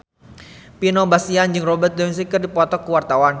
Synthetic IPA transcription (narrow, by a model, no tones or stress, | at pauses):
pinobasiand͡ʒɨŋrɔbərt̪̚dɛis̬ikərdipɔt̪ɔkːəwart̪awan